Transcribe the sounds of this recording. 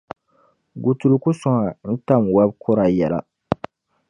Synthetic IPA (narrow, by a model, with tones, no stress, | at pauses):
ɡu˨tu˨ɾu˨ku˦sɔ˦ŋa˨n̩˦ta˦˨mwa˦bkʰɔ˦ɾa˨jɛ˨la̰˨